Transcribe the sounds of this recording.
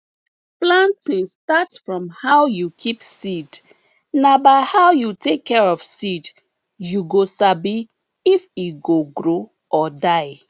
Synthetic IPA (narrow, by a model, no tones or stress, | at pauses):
plãntĩnstatsfɹɔ̃mhaʊjukʰipsid | nabaɪhaʊjutekʰːɛɹɔfsid | juɡosabi | ifiɡoɡɹo | ʔɔdaɪ